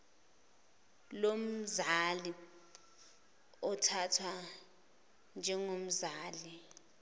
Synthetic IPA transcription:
lom̩zali | ɔtʰatʰwa | nd͡ʒʱɛŋom̩zaːli

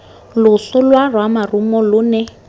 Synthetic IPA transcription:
lʊɬʊlwarwamarumɔlʊnɛ

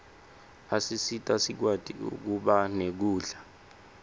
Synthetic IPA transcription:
asisitʼasik̬wad̥ʱʼiṵk̬uɓanek̬uːɮa

